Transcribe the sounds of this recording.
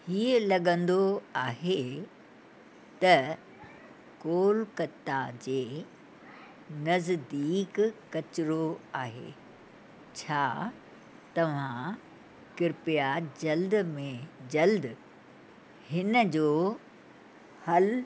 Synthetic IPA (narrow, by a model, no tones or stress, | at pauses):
hiːəlɐɠə̃nd̪oaːɦe | t̪ɐ | koːlkɐt̪ːad͡ʑeː | nɐzd̪iːkː | ɐt͡ɕɪɾoaːɦḛː | t͡ɕʰaː | t̪ɐʋ̤ã | kɪɾpijad͡ʑɐld̪mẽd͡ʑɐld̪ | hɪnəd͡ʑoː | hɐl